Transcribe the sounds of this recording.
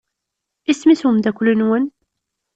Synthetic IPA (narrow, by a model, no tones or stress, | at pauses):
ismisumd̪ækʷlənwən